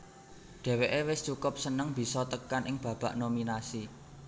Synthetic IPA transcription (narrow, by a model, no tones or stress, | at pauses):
ɖ̪̥e̤weʔewɪst͡ʃukʊp̚sənəŋb̥i̤sɔt̪əkanʔɪŋb̥ä̤b̥a̤ʔnominasi